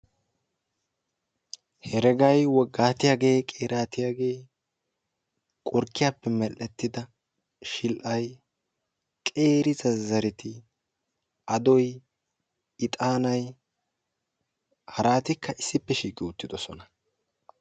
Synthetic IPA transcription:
hɛɾɛɡɐjwɔɡːaːt̪ɪjaːɡe̞ːkʼeːɾaːt̪ɪjaːɡeː | kʼɔɾkːɪjaːpːɛmɛlːɛt̪ːɪd̪ɐ | ʃɪlʔɐj | kʼe̞ːɾɪzɐzɐɾɪt̪ɪ | ɐd̪ɔj | ɪt̪ʼaːnɐj | hɐɾaːt̪ɪkːɐɪsːɪpːɛʃiːkʼːɪʊt̪ːɪd̪ɔsɔnɐ

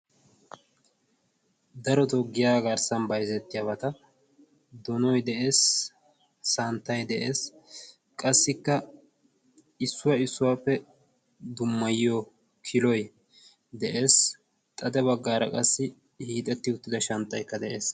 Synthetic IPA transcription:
d̪ɐɾɔt̪ɔɡːɪjaːɡɐɾsɐnbɐjzɛt̪ːɪjabɐt̪ɐ | d̪ɔnɔjd̪ɛʔe̞ːsː | ɐnt̪ːɐjd̪ɛʔe̞ːs | kʼɐsːɪkːɐ | ɪsːʊwɐɪsːʊwaːpːɛ | d̪ʊmːɐjːo | kʰɪlɔj | d̪ɛʔe̞ːs | t̪ʼɐd̪ɛβɐɡːaːɾɐ̰kʼɐsːɪ | hiːt̪ʼɛt̪ːɪʊt̪ːɪd̪ɐʃɐnt̪ːɐjkːɐd̪ɛʔe̞ːs

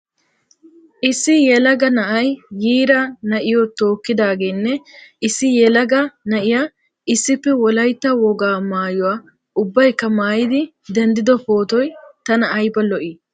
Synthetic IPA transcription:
ʔɪsːɪjɛlɐɡɐnɐʔɐjːiːɾɐnɐʔɪjɔt̪o̞ːkːɪd̪aːɡe̞ːnːɛɪsːɪjɛlɐɡɐnɐʔɪjaː | ɪsːɪpːɛwɔlɐjt̪ːɐwɔɡaːmaːjʊwaː | ʊbːɐjkːɐmaːjɪd̪ɪ | d̪ɛnd̪ɪd̪ɔpo̞ːt̪ɔjt̪ɐnɐʔɐjbɐlɔʔiː

